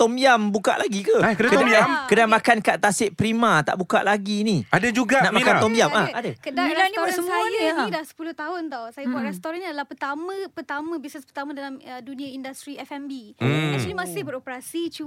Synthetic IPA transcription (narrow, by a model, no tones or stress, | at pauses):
t̪ɔmjambuka̰ʔlaɡikəakədakmakədaŋmakankaʔt̪asɪʔpɾimãt̪a̰ʔbuka̰ʔlaɡiniadad͡ʒuɡanaʔmakant̪ɔmijamaadakədaanibsəjdasə̥pulʊht̪aɦʊnt̪ɔsajabuaʔɾɛst̪oɾanɲadalahpərt̪amə̃pərt̪amə̃bisnəspərt̪amãdalamədunĩaindast̪ɾiɛfɛmbiat͡ʃnimasɪhbəɾɔpəɾasit͡ʃu